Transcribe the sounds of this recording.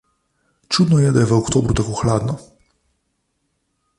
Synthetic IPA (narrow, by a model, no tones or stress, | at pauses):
t͡ʃuːd̪nɔjɛd̪ajɛʋəɔkt̪oːbɾut̪akoːxlaːd̪nɔ